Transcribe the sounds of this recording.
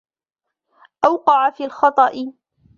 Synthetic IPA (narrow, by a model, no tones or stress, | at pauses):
ʔawqɑʕafiːlxɑt̪ˤɑʔɪ